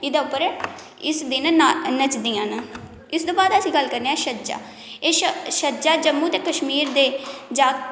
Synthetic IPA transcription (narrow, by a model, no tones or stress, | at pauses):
ɪd̪aːʊpːəɾ | ɪsd̪ɪnnət͡ʃd̪iːãːna | ɪsd̪õːbaːd̪əsĩːɡəlkəɾneːɛːʃəd͡ʒa̰ː | eːʃʃəd͡ʒaːd͡ʒəmːũːt̪eːkəʃmiːɾd̪eːd͡ʒaː